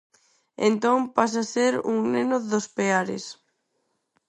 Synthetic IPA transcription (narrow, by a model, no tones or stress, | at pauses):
ḛnt̪oŋpas̬aseɾṵŋnenʊðospeaɾɪ̰s